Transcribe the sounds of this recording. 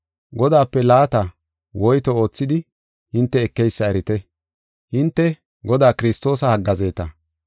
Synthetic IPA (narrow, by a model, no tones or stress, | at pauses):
ɡɔd̪aːpːɛlaːt̪ɐ | wɔjt̪ɔo̞ːt͡sːɪd̪ɪ | hɪnt̪ːɛːkːɛjsːɐɛɾɪt̪ɛ | hɪnt̪ːɛ | ɡɔd̪aːkɪɾɪst̪o̞ːsɐhɐɡːɐze̞ːt̪ɐ